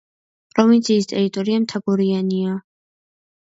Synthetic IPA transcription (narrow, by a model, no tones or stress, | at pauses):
pʼɾɔvint̪sʰiːst̪ʼɛɾit̪ʼɔɾiamt̪ʰaɡɔɾiania